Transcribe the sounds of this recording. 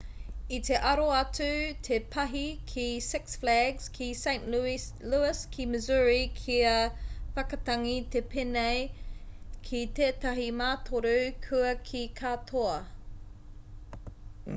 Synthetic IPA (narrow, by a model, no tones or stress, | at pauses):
it̪ʰeʔɐɾoɐtʉtʰepʰɐɦikʰisɪksflæɡz̥kʰisẽɪ̃nʔ | luɪskʰiməzuɹikʰiɐfɐkɐtɐŋit̪ʰepʰenej | kʰit̪eːtɐɦimaːtʰoɾukʰʉɐkʰikʰaːt̪ʰoɐ